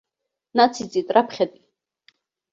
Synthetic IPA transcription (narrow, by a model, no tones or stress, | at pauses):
nat̪sʰit͡s̪ʼit̪ʼɾapʰχɛd̪ʼi